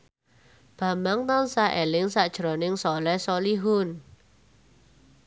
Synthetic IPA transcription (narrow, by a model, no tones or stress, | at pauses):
b̥ä̤mbaŋt̪ɔnsaʔelɪŋsad̥ʒ̥ɾɔ̤nɪŋsɔlɛsɔliɦʊn